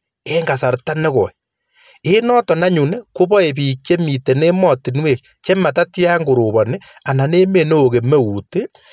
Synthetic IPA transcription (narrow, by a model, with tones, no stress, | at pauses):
e˦ŋɡa˨sa˨ɾta˦ne˦kɔ˨i | e˦nɔ˦tɔ˨na˦ɲu˨ne˦ko˦βɔ˦e˨bi˨kje˦mi˨te˨ne˦mɔ˦˨ti˨nwe˨k | t͡ʃe˦ma˨ta˦tja˦ŋɡo˨ɾo˨βɔ˨ne˦ | a˨na˨ne˦me˨ne˦o˨ke˨me˦u˨te˦